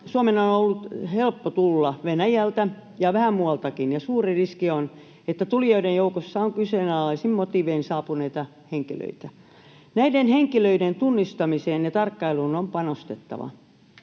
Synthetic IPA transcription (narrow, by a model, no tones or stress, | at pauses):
suɑmenonolːut̪helpːot̪ulːɑʋenæjælt̪æ | jɑʋæhæmmuɑlt̪ɑkinjɑsuːririskion | et̪ːæt̪ulijoidejjoukosːɑoŋkyseːnɑlɑlːɑsimmot̪iʋeinsɑːpuneit̪ɑ | heŋkilø̰it̪æ | næidenheŋkiløident̪unːist̪ɑmiseːnjɑt̪ɑrkːɑilunompɑnost̪et̪ːɑ̰ʋɑ̰